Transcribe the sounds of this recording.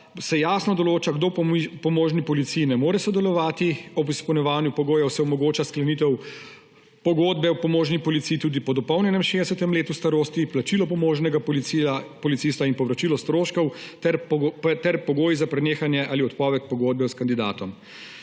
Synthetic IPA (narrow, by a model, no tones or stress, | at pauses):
sɛjaːsnɔd̪ɔloːt͡ʃaɡd̪opɔmoːʒnipɔlit̪sijːnɛmoːɾɛsɔd̪ɛlɔʋaːt̪iɔbispɛwnʲjɛʋaːnjupɔɡoːjɛwsɛɔmɔɡoːt͡ʃasklɛnit̪ɛw | pɔɡoːd̪̚bɛwpɔmoːʒnipɔlit̪sijit̪uːd̪ipɔd̪ɔpɔwnʲjɛnɛmʃed̪ɛsɛt̪ɛmleːt̪ust̪aɾoːst̪iplat͡ʃilɔpɔmoːʒnɛɡa | pɔlit̪sist̪ainpɔʋɾat͡ʃilɔst̪ɾoːʃkɔwɛt̪ɛɾpɔɡoːjizapɾɛneːxanjɛʔaːliɔt̪pɔːʋɛt̪̚pɔɡoːd̪̚bɛwskand̪id̪a̰ːt̪ɔm